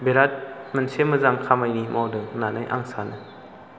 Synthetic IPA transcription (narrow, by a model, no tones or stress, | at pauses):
beɾat̚mənseməzaŋkʰamajnimɔwdɯnanajʔa̰ŋsanɯ